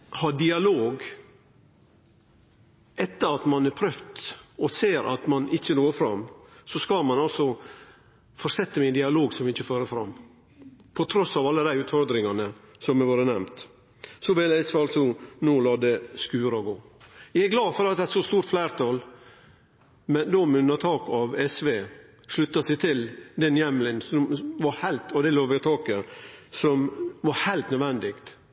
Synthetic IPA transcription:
hɑːd̪ɪɑloːɡ | ʔɛt̪ːəɾɑt̪mɑnæɾpʰɾœft̪ɔseːɾʔɑ̰t̪mɑnɪçːənoːfɾɑmːsɔskɑlmɑnɑlsɔ | fɔɾsɛt̪ːəmɛnd̪ɪɑloːɡsɔmɪɪçːəføːɾəfɾɑ̰mː | pʰɔt̪ʰɾɔsːɑːʋɑlːəd̪æɪʉːt̪fɔɾd̪ɾɪŋɑnə | sɔmɛʋɑːɾənɛmt̪ | sɔbɪlɛsʋeːɑlt̪sɔnuːlɑːd̪əskʉːɾɔɡoːjææɡlɑːd̪fɔɾɑt̪d̪ɛæt̪sɔst̪uːɾt̪flæɪɾt̪ʰɑːl | mɛnd̪omʉnːəɾt̪ʰɑːkɑʋɛsʋe | ʂɭʉt̪ːɑsɛɪt̪ʰɪld̪ɛnjɛmlɪnsɔmʋɑɾhæɪlt̪ɔd̪ɛloːʋæt̪ʰɑːkəsɔmʋɑɾhæɪlt̪nœd̪ʋɛnd̪ɪkt̪

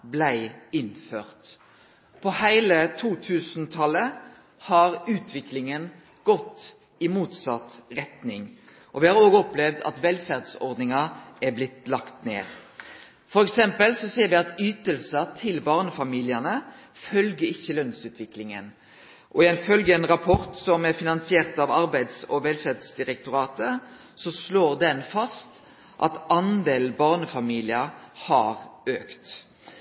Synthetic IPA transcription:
blæɪɪnføːʁt̪ | pʰɔhæɪlət̪ʰuːt̪ʰʉːsnt̪ʰɑlːə | hɑɾʉːt̪ʰʋɪklɪŋən | ɡ̥ɔt̪ː | ɪmuːt̪sɑt̪ɾɛt̪nɪŋ | ʔɔʋɪhɑɾoːɡəɔplɛʋd̪ɑ̰t̪ʋɛlfæʁd̪sɔ̰ɾd̪nɪŋɑæblɪt̪lɑkt̪nḛːʁ | fɔɾɛksɛmpəlsɔseːɾʋɪɑt̪yːt̪əlsət̪ʰɪlbɑːʁnəfɑmiːlɪənə | fœlɡəɪçːəlœnsʉːt̪ʰʋɪklɪŋə̰n | ʔɔɪɛnfœlɡəɛnʁɑpʰɔʁt̪sɔmæfɪnɑnsɪeːʁt̪ɑʋɑɾbæɪd̪sɔʋɛlfæʁd̪sd̪ɪɾɛkt̪ʊɾɑːt̪ə | sɔsloːʁd̪ɛnfɑst̪ | ʔɑ̰t̪ɑnd̪eːlbɑʁnəfɑmiːlɪəhɑːʁøːkt̪

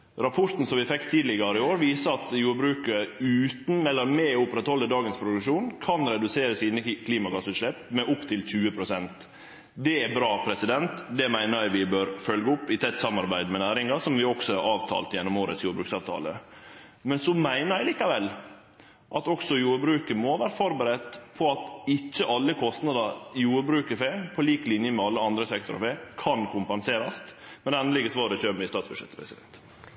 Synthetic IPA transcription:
ɾɑpʰɔɾt̪n̩sɔmʋɪfɛkːt̪ʰiːd̪lɪɡɑɾəɪoːɾʋiːsəɾɑt̪juːɾbɾʉːkəɾəʉːt̪n̩ɛlːəɾmɛʊpəɾɛt̪hɔlːəd̪ɑːɡənspʰɾʊd̪ʉʂuːnkʰɑnɾɛd̪ʉseːɾəsiːnəkʰliːmɑɡɑsʉt̪ʂɭɛpːmɛʔʊpt̪ʰɪlc͡çʉːəpʰɾʊsɛnt̪ | d̪ɛɛbɾɑːpʰɾɛsɪd̪ɛnt̪d̪ɛmæɪnəɾæɪʋɪbøːɾfœlɡəʊpːɪt̪ʰɛt̪ːsɑmɑɾbæɪd̪mɛnæːɾɪŋɑsɔmʋɪɔksɔæɾɑːʋt̪ʰɑ̰ːlt̪jɛnːɔmoːɾə̰t̪sjuːɾbɾʉːksɑːʋt̪ʰɑ̰ːlə̰ | mɛnsɔmæɪnəɾæɪliːkɑʋɛlː | ʔɑt̪ɔksɔjuːɾbɾʉːkəɾmɔʋæːɾəfɔɾbəɾɛt̪ːpʰɔɑt̪ɪt͡ʃːəʔɑlːəkʰɔst̪nɑd̪ɑjuːɾbɾʉːkəfeːpʰɔliːklɪnjəmɛɑlːəɑnd̪ɾəsɛk̚t̪ʊɾ̰feːkʰɑnkʰʊmpɛnseːɾɑst̪mɛd̪ɛɛnəlɪɡəsʋɑːɾəçøːmɪst̪ɑːt̪sbʉ̥ʃɛ̰t̪ːə̥pʰɾɛsɪd̪ɛ̰nt̪

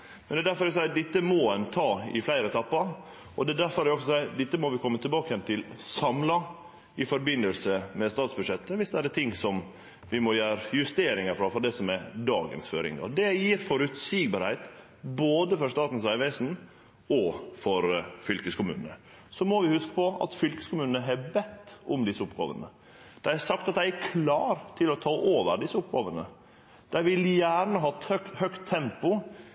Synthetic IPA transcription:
mɛnd̪ɛd̪æɾfɔɾɛs̬æɪd̪ɪt̪ːəmɔɛnt̪ʰɑːɪ̰flæɪɾəɛt̪ʰɑpːɑɾ | ɔd̪ɛːd̪æɾfɔɾæɾɔksɔsæɪd̪ɪt̪ːəmɔʋɪkʰɔmːət̪ʰɪlbɑːkəjɛnt̪ʰɪlsɑmlɑ | ɪfɔɾbɪnːəlsəmɛst̪ɑːt̪sbʉʂɛt̪ːəʋɪsd̪ɛæɾɛt̪ʰɪŋːsɔm | ʋɪmɔjæːɾjʉst̪eːɾɪŋəɾfɾɑːfɔd̪ɛsɔmɛɾd̪ɑːɡə̰nsfø̰ːɾɪ̰ŋɡɑ̰d̪ɛjiːɾfɔɾʉt̪siɡbɑɾhæɪt̪ | boːd̪əfɔɾst̪ɑːt̪n̩sʋæɪʋæɪsn | ɔfɔɾfʏlkəskʊmʉ̰ːnənə | sɔmɔʋɪhʉskə̥pɔɑ̰t̪fʏlkə̥skʊmʉːnəəɦɛbɛt̪ːʊmd̪ɪsːəʊpɡ̥ɑ̰ːʋə̰nə | d̪̥æɪhæɾsɑk̚t̪ɑt̪̚d̪æɪækʰlɑːɾt̪ʰɪlɔt̪ʰɑːʔoːʋəɾɖ̪ɪsːəʊp̚ɡɑːʋənə | d̪̥æɪʋɪljæːɾɳəɦɑːt̪œkhœkt̪ʰːɛmpʊ

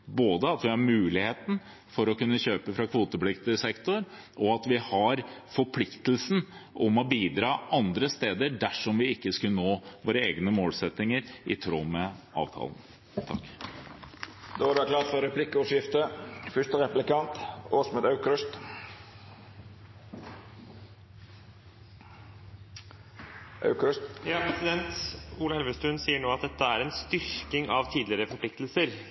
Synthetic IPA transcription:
boːd̪əɑt̪ʋɪhɑɾmʉːlɪheːt̪n | fɔɾɔkʉnːəɕøːpəfɾɑkʰʋuːt̪əplɪkt̪əsɛkt̪ʊɾ | ʔɔɑt̪ʋɪhɑɾfɔɾpʰlɪkt̪əl̩sn̩ʔʊmɔbiːd̪ɾɑːʔɑnd̪ɾəst̪eːd̪əɖ̪æʂɔmʋɪɪkːəskʉlnoːʋoːɾəeːɡnəmoːlsɛt̪ɪŋəɾʔɪ̰t̪ʰɾoːmɛʔɑ̰ːʋt̪ʰɑ̰ːln̩ | t̪ʰɑkː | d̪oːʋɑɖɑkʰlɑːt̪fɔɾɛpʰlɪkːəɔʂjɪft̪əfʏʂt̪əɾɛplɪkɑnt̪oːsmɛd̪ɑʉkɾʉst̪ | ʔɑ̰ʉkʉsjɑːpʰɾɛsɪd̪ɛnt̪uːləɛlʋəst̪ʉnsiːəɳoːɑt̪̚d̪ɛt̪ːəæɾɛnst̪ʏɾkɪŋɑʋt̪ʰiːd̪lɪɾəfɔɾpʰlɪk̚t̪lsəɾ

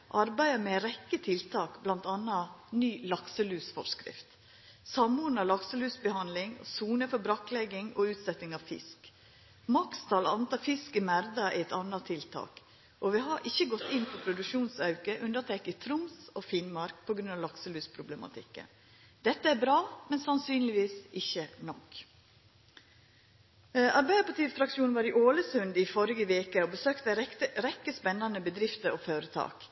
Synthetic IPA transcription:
ʔɑɾbæɪd̪əmɛɾɛkːət̪ʰɪlt̪ʰɑːkblɑnt̪ɑnːɑnyːlɑksəlʉːsfɔ̰ʂkɾɪ̰ft̪ | sɑmːʊːd̪n̩ɑlɑksəlʉːsbəhɑnlɪŋɔ̰suːnəfɔɾbɾɑkːlɛɡɪŋɔʉːt̪sɛt̪nɪŋɑʋfɪ̰sk | mɑkst̪ʰɑːlɑnt̪ɑːfɪskəmæɾd̪ɑʔɪ̰ɛt̪ɑnːɑt̪ʰɪlt̪ʰɑ̰ːk | ʔɔʋɪɦɑɾʔɪçːəɡɔt̪ːɪnːpʰɔpʰɾʊd̪ʉkʂuːnsɑʉkəʔʉnd̪ət̪ʰɛkɪt̪ʰɾʊmsofɪnmɑɾk̚pʰɔɡɾʉnɑʋlɑksəlʉːspʰɾʊblɛmɑ̰t̪ʰɪ̰kːə̰n | d̪̥ɛt̪ːəæɾbɾɑːmɛnsɑnsyːnlɪʋiːsʔɪçːənɔk | ʔɑɾbæɪəpɑt̪iːfɾɑkʃuːnʋɑːɾɪʔoːləsʉnd̪ɪfɔɾɪɡəʋeːkəobəsøːkt̪əəɾɛkːəspɛnːɑnəbəd̪ɾɪft̪əɾoføːɾət̪ʰɑ̰ːk

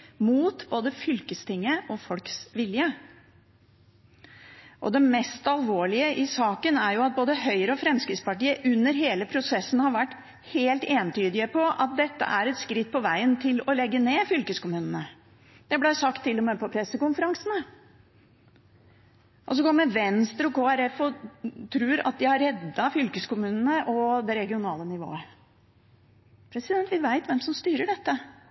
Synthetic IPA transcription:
muːt̪boːd̪əfʏlkəst̪ʰɪŋːəʔɔfɔlksʋɪljə | ʔɔ̰d̪ɛmɛst̪ɑlʋoːɭɪəʔɪsɑːkənæɾjʊɑt̪̚boːd̪əɦœʏəɾəɔfɾɛmskɾɪt̪spɑʈiːəʔʉnːəɾɦeːləpʰɾʊsɛsːn̩hɑɾʋæʈː | heːlt̪eːnt̪ʰyːd̪ɪəpʰɔʔɑt̪̚d̪ɛt̪ːə̰ʔæɾɛt̪skɾɪt̪̚ːpʰɔʋæɪənt̪ʰɪlɔlɛɡːəneːfʏlkəskʊmʉːnənə | d̪̥ɛblæsɑkt̪ʰːɪlːɔmɛpɔpʰɾɛsːəkʊnfəɾɑŋsnə | ʔɔsɔɡɔmːəʋɛnst̪ɾɔkʰoːæɾɛfɔt̪ʰɾʉːɾɑ̰t̪̚d̪ɪhɑɾɛd̪ːɑfʏlkəskʊmʉːnənəʔɔd̪ɛɾɛɡɪʊnɑːlənɪʋo̰ːə | pʰɾɛsɪd̪ɛnt̪ʋɪʋæɪt̪ʋɛmsɔmst̪yːɾəɖɛt̪ːə

